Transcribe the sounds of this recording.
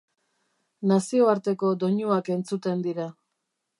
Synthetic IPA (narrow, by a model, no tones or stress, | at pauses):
nasio̞aɾt̪e̞ko̞d̪o̞ɲuake̞nt͡sut̪e̞nd̪iɾa